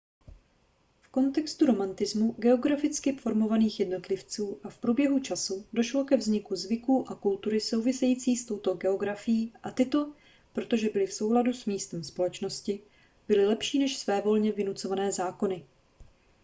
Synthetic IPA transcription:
fko̞nt̪ɛkst̪uɾo̞mant̪ɪzmuɡɛo̞ɡɾafɪt͡skɪfo̞ɾmo̞vaniːxjɛdno̞t̪lɪft͡suːʔafpɾuːbjɛɦut͡ʃasudo̞ʃlo̞kɛvzɲɪkuzvɪkuːʔakult̪uɾɪso̞wvɪsɛjiːt͡siːst̪o̞wt̪o̞ɡɛo̞ɡɾafɪjiːʔat̪ɪt̪o̞ | pɾo̞t̪o̞ʒɛbɪlɪfso̞wladusmiːst̪ɛmspo̞lɛt͡ʃno̞scɪ | bɪlɪlɛpʃiːnɛʃsvɛːvo̞lɲɛvɪnut͡so̞vanɛːzaːko̞nɪ

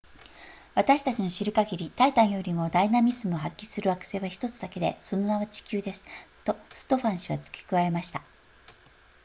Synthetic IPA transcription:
βat̪aɕi̥t̪at͡ɕino̞ɕiɾɯ̟kaɡʲiɾʲit̪ait̪ãɰ̃jo̞ɾʲimo̞d̪ainamʲizɨmɯ̟oɦakʲːisɨɾɯakɯ̥se̞ːβaçi̥t̪o̞t͡sɨd̪ake̞d̪e̞̰so̞no̞naβat͡ɕi̥kʲɨːd̪e̞sɨ̥t̪o̞sɨ̥t̪o̞ɸãɰ̃ɕiβat͡sɨ̥kʲi̥kɯ̟βae̞maɕi̥t̪a

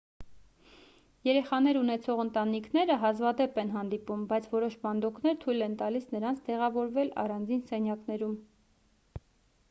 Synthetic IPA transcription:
jɛɾɛχɑnɛɾunɛt͡sʰɔʁənt̪ɑnikʰnɛɾəɦɑzvɑd̪ɛpɛnɦɑnd̪ipumbɑjt͡sʰvɔɾɔʃbɑnd̪ɔknɛɾt̪ʰujlɛnt̪ɑlisnəɾɑnt͡sʰt̪ɛʁɑvɔɾvɛlɑ̰rɑnd͡zinsɛnjɑknɛɾum

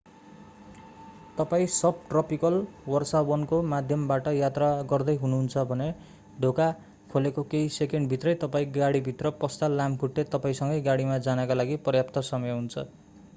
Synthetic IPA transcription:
t̪ʌpaĩsʌb̚ʈrʌpikʌlwʌrsabʌnkomad̪ʱjʌmbaʈʌjat̪raɡʌrd̪ʌjɦunuɦunt͡sʰʌbʱʌne | ɖʱoka | kʰolekokeisekeɳɖbʱit̪rʌjt̪ʌpaĩɡaɽibʱit̪rʌpʌst̪alamkʰuʈːet̪ʌpaĩsʌŋɡʌjɡaɽimad͡zanʌkalaɡipʌrjap̚t̪ʌsʌmʌjʌɦunt͡sʰʌ

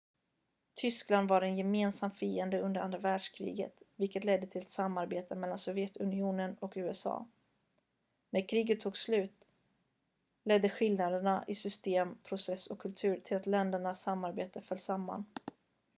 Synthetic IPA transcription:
t̪ʰʏskland̪vaɾɛnjɛmeːnsamfiːɛnd̪əɵnd̪əɾa̰nd̪ɾavæːɖʂkʰɾḭːɡə̰t̪vɪlkət̪lɛd̪ːət̪ʰɪlɛt̪samːaɾbeːt̪ʰəmɛlːansɔvjɛt̪ɵnɪuːnənɔkʉ̟ːɛsɑ̰ː | næɾkʰɾiːɡət̪ʰːuːɡslʉ̟ːt̪ | lɛd̪ːəɧɪlnad̪əɳaʔɪsʏst̪eːmpʰɾʊsɛsːɔkʰːɵlt̪ʰʉ̟ːɾt̪ʰɪlat̪lɛnd̪əɳasamːaɾbeːt̪əfœlsamːa̰n

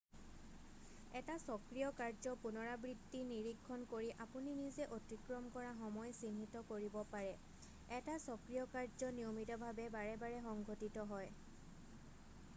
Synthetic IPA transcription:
ɛtasɔkɹijɔkaɹzɔpunɔɹabɹidːiniɹikʰːɔnkoɹiʔapuninizɛʔotɹikɹɔmkɔɹaxɔmɔjsinitɔkoɹibɔpaɹɛ | ɛtasɔkɹijɔkaɹzɔnijomitɔbʱabɛbaɹɛbaɹɛxɔŋɡʱotitɔɦɔj

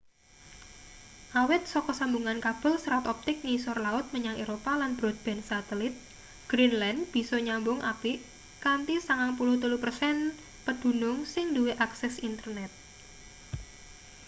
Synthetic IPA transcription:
ʔawɪt̪̚sɔkɔsambuŋankab̥ə̤lsəɾat̪ɔp̚t̪ɪk̚ŋisɔrlaʊt̪̚məɲaŋeɾopalanb̥ɾɔd̪̚b̥ɛ̤nsat̪ɛlɪt̪̚ | ɡ̥ɾinlɛndb̥i̤sɔɲambʊŋʔapiʔ | kant̪isaŋaŋpulʊht̪uluhpərsɛn | pəd̪̥ṳnʊŋsɪŋduweʔaksɛsint̪ərnɛt̪̚

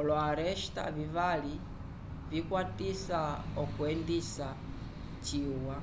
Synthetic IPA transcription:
ɔlwɔaɾɛʃta̰vivali | vikwatisaɔkuɛndisa | t͡ʃiwa

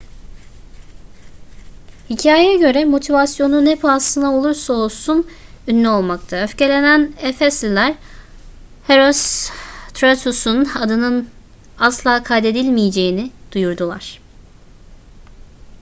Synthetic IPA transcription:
hicʰaːjejaɟø̞ɾɛmo̞t̪ʰivasjo̞nunepʰuasˠɯnao̞lˠuɾsao̞lˠsun | ynlʲyo̞lˠmakt̪ʰaøfce̞lʲe̞nænɛfɛslilʲæɾ | heɾost̪ʰɾat̪ʰusunad̪ɯnɯn | aslˠaːkʰajd̪e̞d̪ilʲmijed͡ʒe̞jinɪd̪̥ujuɾd̪ulˠa̰ɾ̝̥

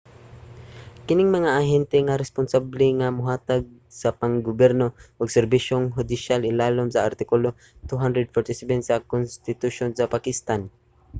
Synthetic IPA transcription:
kɪnɪŋmɐŋaʔaɦɛnt̪ɛŋaɾɛspʊnsablɛŋamʊɦaːt̪aɡ̚ | sapaŋɡʊbɛɾnoʔʊɡsɛɾbiʃoŋɦʊd̪ɪʃalʔɪlaːlʊmsaaɾt̪ɪkʊlo | t̪uɦand̪ɾɛd̪̚fɔɾt̪ɪsɛvɛnsakʊnst̪ɪt̪uʃonsapakɪst̪an

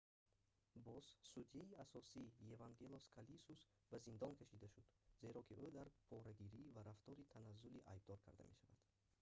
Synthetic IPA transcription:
bɔzsud̪ijaiasɔsijevaŋɡe̞loskʰalisus | bazind̪ɔnkʰaʃid̪aʃud̪̥ze̞ɾɔkʰiʔød̪aɾpʰɔɾaɡiɾiːvaɾaft̪ɔɾit̪ʰanazːuliʔa̰jb̚d̪ɔɾkʰa̰ɾd̪a̰meʃava̰d̪̥

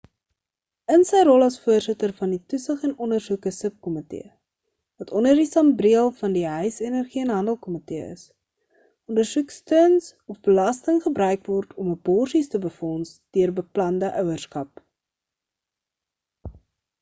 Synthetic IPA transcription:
ənsəjrɔlˠɐsfuərsətərfɐnditusəχɛnɔndərsukəsəp̚kɔmətḛə | vɐtʰɔndərdisɐmbriəlˠfɐndiɦœɥsenərχiənɦɐndəlˠkɔməteəə̰s | ʔɔndərsukstøːnsɔfbəlɐstəŋχəbɾœɥkvɔrtʰɔməbɔrsistəbəfɔnsd̥øərbəplɐndəʔœwərskɐp̚

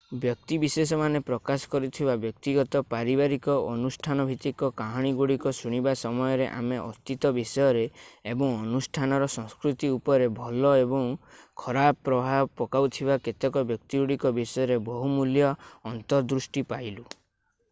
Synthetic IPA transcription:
bjɔk̚t̪ibisesɔmanepɾɔkasɔ̥kɔɾut̪ʰibabjɔk̚t̪iɡɔt̪ɔpaɾibaɾikɔʔɔnusʈʰanɔbʱit̪ikɔkaɦɔɽ̃iɡuɽikɔsuɽ̃ibasɔmɔjɔɾeʔa̰meʔɔt̪it̪ɔbisɔjɔɾeːbɔŋɔnusʈʰanɔɾɔsɔ̃ŋskɾut̪iupɔɾebʱɔlɔebɔŋkʰɔɾabɔpːɾɔbʱabpɔkawt̪ʰibaket̪ekɔbjɔk̚t̪iɡuɽikɔbisɔjɔɾebɔɦumuljɔːnt̪ɔɾd̪ɾusʈipajlu

